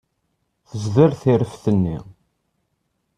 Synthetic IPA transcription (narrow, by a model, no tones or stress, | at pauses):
θəzðəɾθiɾəfθənːḭ